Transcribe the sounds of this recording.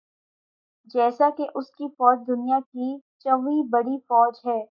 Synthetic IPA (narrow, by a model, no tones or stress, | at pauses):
d͡ʒɛːsakeʔʊskifɔːd͡ʒd̪ʊnijakit͡ʃɐʋibɐɽifɔːd͡ʒɦɛː